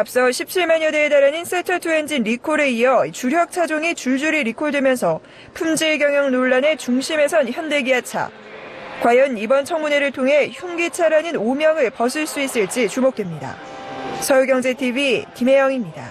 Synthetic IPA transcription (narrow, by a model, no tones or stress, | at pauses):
ap̚s͈ʌɕʰip̚t͡ɕʰiɭmaɲʌdeːdaɾanins͈ʰetʰʌtʰue̞nd͡ʑinɾikʰoɾe̞iʌit͡ɕuɾjʌk̚t͡ɕʰad͡ʑoŋit͡ɕuɭd͡ʑuɾiɾikʰoɭdwe̞mjʌnsʰʌ | pʰumd͡ʑeɡjʌŋjʌŋnoɭːane̞t͡ɕuŋɕʰime̞sʰʌnçjʌnde̞ɡiat͡ɕʰa̰ | kwajʌnibʌnt͡ɕʰʌŋmune̞ɾɯɭtʰoŋɦe̞çuŋɡit͡ɕʰaɾanɯnomjʌŋɯɭpʌs̬ʰɯɭs͈uis͈ɯɭt͡ɕ͈it͡ɕumok̚t͈we̞mɲida̰ | sʰʌjuɡjʌŋd͡ʑe̞tʰibikime̞jʌŋimɲida̰